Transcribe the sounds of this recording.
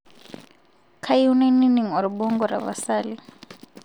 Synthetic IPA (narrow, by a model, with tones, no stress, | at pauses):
kʰa˦junɛ˦ni˦ni˨ŋɔ˨ɾibɔ˦ŋɡɔɾa̰˨βa̰saːli